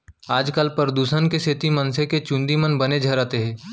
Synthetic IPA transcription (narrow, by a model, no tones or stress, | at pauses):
aːd͡ʒkəlpəɾəd̪uːsənkeset̪imɐnseket͡ʃʊ̃nd̪imənbɐned͡ʒʱɐɾaːt̪eɦɛ̃ː